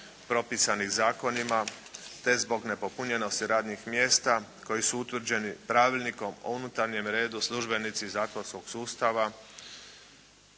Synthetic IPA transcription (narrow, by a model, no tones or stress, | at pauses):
pɾo̞pisanixzaːko̞nimat̪e̞zbo̞ɡne̞po̞puɲe̞no̞st̪iɾaːd̪ɲixmjeːst̪ako̞jisuut̪ʋr̩d͡ʑe̞nipɾaːʋiʎniko̞mo̰unut̪aɾɲe̞mɾe̞ːd̪uslˠuʒbe̞nit̪sizaːkonsko̞ɡsuːst̪aʋa